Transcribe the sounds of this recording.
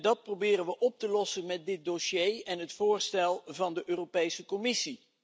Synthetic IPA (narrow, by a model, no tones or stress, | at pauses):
dɑt̚prowbɪːrənʋəʔɔp̚təlɔsənmɛt̚dɪt̚doʃjejɛnɦətfʊːɹstɛlˠvɑndəʔøːropejsəkɔmɪsi